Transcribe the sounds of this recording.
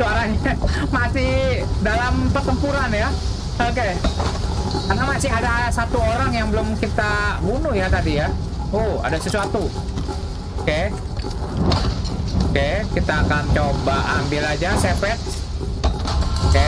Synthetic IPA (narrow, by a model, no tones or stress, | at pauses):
soaɾaɲamasidalampərt̪əmpuɾanja | oke | kanamasiadasat̪uoɾaŋjaŋbəlʊmkit̪abunʊhjat̪adija | oa̰dasəsuat̪u | oke | okekit̪aːkant͡ʃobaʔambilad͡ʒasefɛt̪̚ | oke